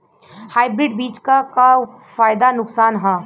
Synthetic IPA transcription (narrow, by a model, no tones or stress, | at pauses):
haːɪbɾɪɖbiːt͡ʃkaka | faːɪd̪anʊksaːnɦãː